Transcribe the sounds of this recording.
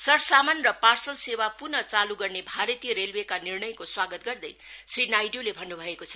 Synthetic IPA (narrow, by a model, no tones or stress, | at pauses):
sʌɾsamanrʌparsʌlsewapurnʌt͡saluɡʌrnebʱaɾʌt̪ijʌɾelwekanirɳʌjkoswaɡʌt̪̚ɡʌrd̪ʌjsrinajɖjolebʱʌnːubʱʌekot͡sʰʌ